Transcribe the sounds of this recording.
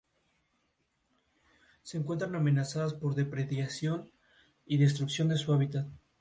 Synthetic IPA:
se̞ːŋkwe̞nt̪ɾaname̞nasaðaspo̞ɾðe̞pɾeθjasjo̞n | iðe̞s̬t̪ɾuksjo̞nd̪e̞suaβit̪at̪

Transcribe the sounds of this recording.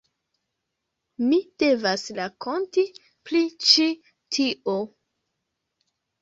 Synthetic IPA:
mid̥e̞vasɾako̞nti | plit͡ʃi | tʰiʔo

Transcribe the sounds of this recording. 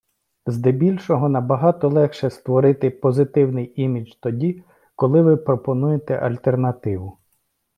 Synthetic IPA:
zd̪ɛbʲilʲʃɔɦɔnɐbɐɦɑt̪ɔlˠɛxʃɛst̪ʋɔɾɪt̪ɪpɔzɪt̪ɪwnɪjimʲit͡ʃt̪ɔdʲi | kɔlˠɪʋɪpɾɔpɔnujet̪ɛ̰ʔɐ̰lʲt̪ernɐt̪ɪʋʊ

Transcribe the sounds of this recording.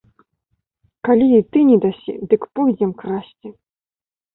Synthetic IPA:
kalʲiit̪ɨnʲɛd̪asʲḭd̪ɨkpɔɣʲzʲɛmkɾasʲt͡sʲi

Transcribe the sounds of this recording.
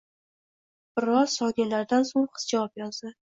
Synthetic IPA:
b̥ɪɾɒzsɒnilaɾd̪ansoŋqʰɨ̥sd͡ʒavɒpjɒzd̪ɪ

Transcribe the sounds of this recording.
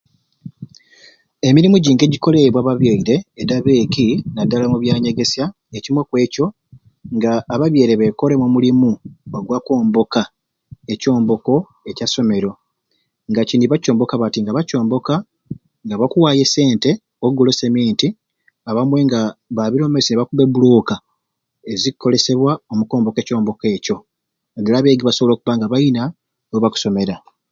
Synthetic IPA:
e̞miɾimuɟiːŋɡe̞ɟiko̞le̞βwaβaβjeiɾe̞ːdaβe̞ːkinadːalamuβjaːɲe̞ɡe̞sja | ecimwekwe̞ːco̞ | ŋɡaːβaβje̞ːɾe̞βe̞ko̞le̞mumulimuoɡwako̞ːmbo̞ka | e̞co̞ːmbo̞ko̞ | e̞caso̞me̞ɾo̞ | ŋɡaciːndiβaco̞ːmbo̞kaβatiŋɡaβaco̞ːmbo̞ka | ŋɡaβakuwaːje̞se̞ːnte̞ | oɡolo̞semiːnti | aβamwe̞ŋɡaβaβiɾo̞mesineβakuβe̞buloːka | ezikːo̞le̞se̞βwaomukoːmbo̞ke̞ːco̞ːmbo̞ke̞ːco̞ | ɡelaβe̞ːɡiβasoβolo̞ːkuβaŋɡaβajina | noβaku̥so̞meɾa

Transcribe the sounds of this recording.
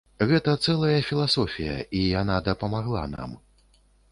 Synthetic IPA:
ɣɛt̪ɐt̪sɛlˠɐjɐfʲilˠasɔfʲijɐ̰ʔijanad̪ɐpɐmaɣlˠa̰na̰m

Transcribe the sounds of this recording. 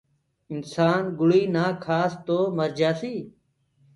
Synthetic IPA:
ɪnsaːnɡʊɭiːnaːkʰaːst̪oːməɾd͡ʒaːsiː

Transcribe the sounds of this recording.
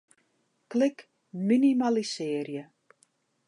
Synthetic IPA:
klɪk | minimalisɪərjə

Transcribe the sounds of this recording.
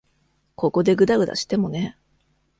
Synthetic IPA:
kʰo̞ko̞d̪e̞ɡɯ̟d̪aɡɯ̟d̪a̰ɕi̥t̪e̞mo̞ne̞

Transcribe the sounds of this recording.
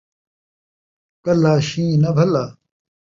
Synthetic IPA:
kɐlaːɕĩːnɐbʱɐlaː

